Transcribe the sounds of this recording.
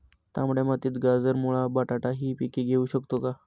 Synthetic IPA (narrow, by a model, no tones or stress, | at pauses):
t̪jamuɭemat̪iːt̪ɡad͡zəɾmuɭabaʈaʈaɦiːpikiɡʱeuːɕəkt̪oka